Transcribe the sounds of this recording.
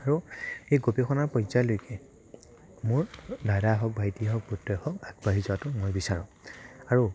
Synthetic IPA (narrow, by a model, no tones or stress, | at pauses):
aɹuejɡopekʰɔnaɹpɔjzalojkɛ | mʊɹdadaɦɔk̚bʱajtiɦɔk̚butːɔjhɔkaɡbaɦizɔatʊmojbisaɹɔ̃aɹu